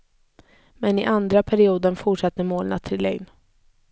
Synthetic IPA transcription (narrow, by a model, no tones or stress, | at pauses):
mɛnɪʔand̪ɾapʰæɾɪuːd̪ənfʊʂat̪ːəmoːlna̰t̪ʰːɪlːɛ̰ɡn